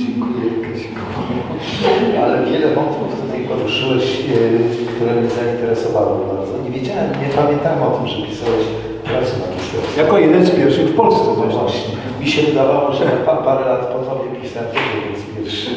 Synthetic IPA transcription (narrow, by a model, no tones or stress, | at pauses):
d͡ʑɛŋkujɛjkɛd͡ʑɛŋkʰuɔɛɛʂalɛvʲjɛlɛmɔt̪uft̪ut̪ajpɔɾuʂɨwɛɕ | kt̪uɾɛɡɔɲzaint̪ɛɾɛsɔvawɔbaɾd̪zɔɲevʲjed͡ʑawɛmɲɛpamʲjɛ̃nt̪awɛmɔt̪ɘmʐɛpʲisawɛɕ | pɛɾsut̪aɡʲist̪ɛ̰t̪sʲijakɔjɛd̪ɛnspʲjɛɾfʂɨxfpɔlssɛvɛnɔɕt͡ɕi | mʲiɕɛvɨd̪avawɔʐɛpapaɾɛlat̪pɔd̪vɔbʲjɛpʲisɛmt̪ɛjɛd̪ɛnspʲjɛɾfʂ